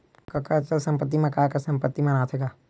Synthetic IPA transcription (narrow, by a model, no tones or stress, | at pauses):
kɐkat͡ʃəlsə̃mpət̪ːimẽkaːkasɐ̃mpət̪ːimãnaːt̪ʰeɡaː